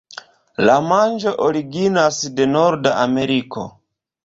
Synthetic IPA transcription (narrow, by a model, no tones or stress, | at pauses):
lamand͡ʒo̞ʔoɾiɡinasde̞noɾdaame̞ɾikʰo̰